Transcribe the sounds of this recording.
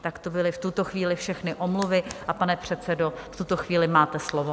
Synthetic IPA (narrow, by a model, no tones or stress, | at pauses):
t̪akt̪obɪlɪft̪ut̪o̞xviːlɪfʃɛxnɪʔomluvɪʔapanɛpr̝̥ɛt̪t͡sɛdo̞ft̪ut̪oxviːlɪmaːt̪ɛslovo